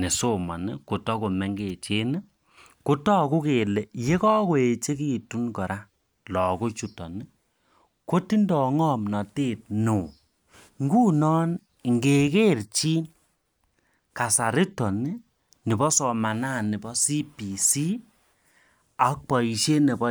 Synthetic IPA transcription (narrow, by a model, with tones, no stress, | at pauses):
ne˨so˦ma̰˨ni˦ko˨tɔ˦ko˨mɛ˨˦ŋɡe˨t͡ʃe˦n˦ | ku˦tɔ˦ku˦ke˨le˨je˦kɔ˦kwe˨t͡ʃe˦ki˦˨tu˦nkɔ˨ɾʔa˦ | lɔ˨ku˦t͡ʃu˦tɔ̰˨ni˦ | ko˦ti˦ndɔ˨ŋɔ˦mnɔ˨te˦˨t̚nu˨ | ŋɡu˦nɔː˦n˨ | ŋɡe˨ke˦rt͡ʃi˦n | ka˨sa˨ɾi˦tɔ˨ni˦ | ni˨bɔ˦sɔ˨ma˨na˦˨ni˨bɔ˦si˦pi˨si˦ | a˨k̚pɔ˨i˨ʃe˦ne˨bɔ˦